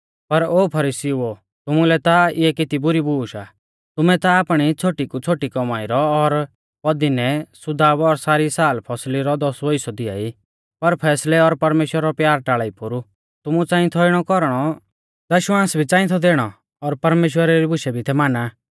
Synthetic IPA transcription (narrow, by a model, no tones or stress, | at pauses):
pɐɾoːpʰɐɾisiuo | t̪ʊmulɛt̪aɪɛkɪt̪ibʊɾibuːʃa | t̪ʊmɛt̪aːpɽ̃it͡sʰoːʈikut͡sʰoːʈikɔmaːɪɾɔɔɾ | pɔd̪inɛsʊd̪aːbɔɾsaːɾisaːlpʰɔsliɾɔd̪ɔsʋoisɔd̪ɪa̰ːi | pɐɾpʰɛːslɛɔɾpɐɾmeːʃwəɾaɾɔpjaːɾʈaːɭaːipʊɾu | t̪ʊmut͡sãːɪ̃t̪ʰɔɪɽ̃ɔkɔɾɽ̃ɔ | d̪ɐʃwãːsbʱit͡sãːɪ̃t̪ʰɔd̪eːɽ̃ɔ | ɔɾpɐɾmeːʃwəɾaɾibʊʃɛbʱit̪ʰɛmaːnaː